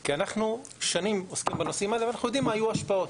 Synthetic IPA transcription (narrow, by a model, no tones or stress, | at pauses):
kianaχnu | ʃanimoskimbenosimalvanaχnujod̪imːaajuaʃpao̞t̪